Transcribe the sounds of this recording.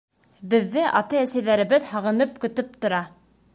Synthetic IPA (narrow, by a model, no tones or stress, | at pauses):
bɘ̆ðːɘʔɑt̪ɤæsæjðæɾɘ̆βɘðhɑʁɤ̆nɤp̚kɵ̆t̪ɵp̚t̪ŏɾɑ